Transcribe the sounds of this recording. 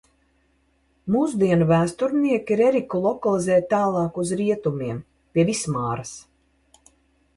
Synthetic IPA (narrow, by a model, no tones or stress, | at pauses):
muːsd̪iɛnuvæːst̪uɾniɛkʲiɾɛɾikulˠɔkalˠizɛːt̪̚t̪ːaːlˠɑːkuzɾiɛt̪umiɛm | pʲiɛvismaːɾas